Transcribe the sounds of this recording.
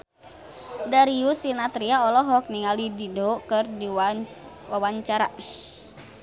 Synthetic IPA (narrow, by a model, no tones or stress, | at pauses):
daɾiusinat̪ɾiaɔlɔɦɔk̚niŋalididokɨrdi | wawaɲt͡ʃaɾa